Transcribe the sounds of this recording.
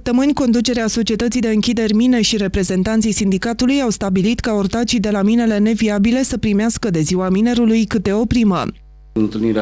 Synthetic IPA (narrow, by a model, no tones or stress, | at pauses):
sp̚t̪əmɨnʲko̞nd̪ut͡ʃe̞ɾeaso̞t͡ʃie̞t̪ət̪sijd̪e̞ɨŋkʲid̪e̞rʲmine̞ʃiɾe̞pɾe̞ze̞nt̪ant̪sijsind̪ikat̪ulujawst̪abilit̪kaort̪at͡ʃid̪e̞lamine̞le̞ne̞viabile̞səpɾimeaskəd̪e̞ziwamine̞ɾulujkɨt̪̚d̪e̞o̞pɾimə̰ | ɨnt̪ɨlniɾe